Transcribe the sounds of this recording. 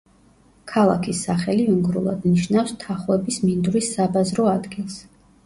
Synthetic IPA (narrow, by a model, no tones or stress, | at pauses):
kʰalˠa̰kʰisːaχɛliuŋɡɾṵlˠad̪niʃnafst̪ʰaχwɛbismind̪uɾisːabazɾɔad̪ɡilˠs